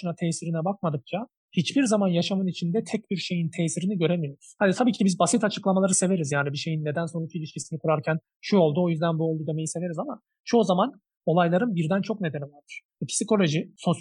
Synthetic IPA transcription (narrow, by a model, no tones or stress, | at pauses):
ɯnat̪ʰɛːsiɾinɛbak̚mad̪ɯk̚t͡ʃʰa | hit͡ʃbiɾzamanjaʃamɯnit͡ʃʰind̪ɛt̪ʰɛc̚biɾʃe̞jint̪ʰɛːsiɾiniɟø̞ɾemijo̞ɾuz̥had̪it̪ʰabiːcʰibizbasit̪at͡ʃʰɯklˠamalˠaɾɯse̞ve̞ɾizjaːnibiʃe̞jinːe̞d̪ænso̞nut͡ʃʰuilʲiʃcʰisinikʰuɾaɾcʰæn | ʃuo̞lˠd̪uo̞jyzd̪ænbuo̞lˠd̪ud̪emejise̞ve̞ɾizama | t͡ʃʰo̞zaman | o̞lˠajlˠaɾɯnbiɾd̪ænt͡ʃʰo̞kne̞d̪enivaɾd̪ɯɾ̥ | ɛpʰi̥siko̞lʲo̞ʒiso̞s